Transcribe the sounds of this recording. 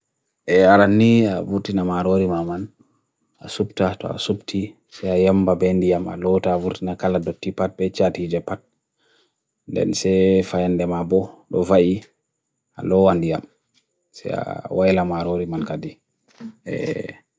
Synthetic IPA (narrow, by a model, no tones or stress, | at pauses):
ʔɛaɾanːiavuɾtinamaɾoɾimaman | asubtatɔ̰a̰subtʰi | sɛajɛmbabɛndijama̰lɔtaːvuɾtinakaladɔtːipat̚bɛt͡ʃatid͡ʒɛpat̚ | ndɛ̰nsɛfajɛndɛmabɔɗɔvaʔi | a̰lɔwandija̰m | sɛ̰a̰wajlamaɾoɾimankadi | ɛ̰